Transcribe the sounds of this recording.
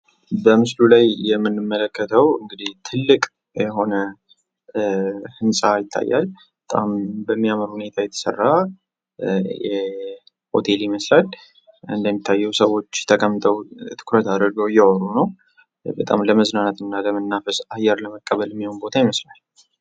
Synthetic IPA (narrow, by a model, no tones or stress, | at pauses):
bəmɨslulajjɛmːɨnːɨmːələkʰːət̪ʰəwɨŋɡɨd̪iht̪ʰɨlːɨkʼ | jɛɦo̞nə | hɨnsʼajɪt̪ʰːa̰jːa̰l | bət̪ʼa̰mbəmːijaməɾhune̞t̪ʰajɛt̪ʰə̥sə̰rːa | jɛ | ho̞̰t̪ʰe̞liməslal | ɨ̰nd̪əmːit̪ʰːajːɛwsəwo̞t͡ʃːt̪ʰəkʼəmːt̪ʼʰəwt̪ʰɨ̥kʰɾət̪ad̪əɾɡəwjːɛɔɾunəw | bət̪ʼa̰mləməznanat̪ɨnːaləmənːafəsajɛɾləməkʼːəβəljɛmːiho̞nbo̞t̪ʰajiməslal